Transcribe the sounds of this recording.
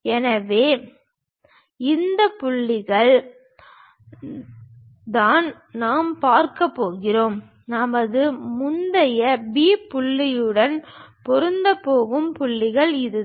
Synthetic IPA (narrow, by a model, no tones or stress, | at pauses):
ɛnɐʋeː | ɪnd̪ɐpʊɭːɪɣɐɭ | d̪aːn | naːmpaːɾkɐpːoːɣɪroːm | nɐmɐðɯmʊnd̪ɐjɐbiːpʊɭːɪjɯɽɐnpɔɾɯnd̪ɐpːoːɣɯmpʊɭːɪɣɐɭɪðɯ